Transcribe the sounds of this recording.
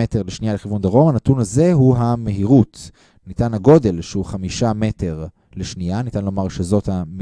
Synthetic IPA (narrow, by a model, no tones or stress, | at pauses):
ete̞ʁleʃnijaleχivund̪aʁo̞manatunaze̞ɦuɦame̞ɦiʁut | nitanaɡo̞de̞lʃeuχamiʃame̞te̞ʁ | leʃnianitanlo̞maʁʃezo̞thame